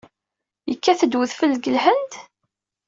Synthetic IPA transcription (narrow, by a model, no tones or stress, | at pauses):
jəkːæθəd̪wəðfəlːɡəlhənd̪